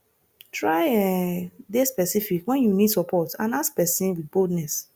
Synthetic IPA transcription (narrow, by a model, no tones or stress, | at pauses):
tʰɹaɪɛdespɛsifikwɛ̃njunidsɔpʰɔtãnaskpɛsĩnwid̚boldnɛs